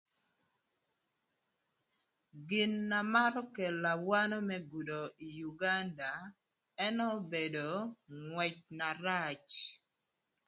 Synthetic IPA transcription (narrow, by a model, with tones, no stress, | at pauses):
ɡɪ˨nːa˨ma˦ɾɔ˦kɛ˨la˨wa˦nɔ˦mɛ˦ɡu˨do˨i˨ju˨ɡa˦nda˨ | ɛ˦nɔ˦be˨do˨ŋwɛ˨t͡ʃ̚na˨ɾa˦t͡ʃ